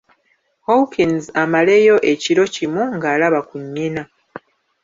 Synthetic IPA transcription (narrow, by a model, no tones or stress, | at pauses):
howkinzamale̞ːjo̞ʔe̞ciɾo̞cimuŋɡaːlaβakuɲːina